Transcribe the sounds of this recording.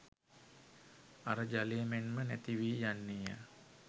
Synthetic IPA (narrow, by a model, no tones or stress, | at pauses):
aɾəd͡ʒaleːmenmənæt̪iʋiːjanːijə̰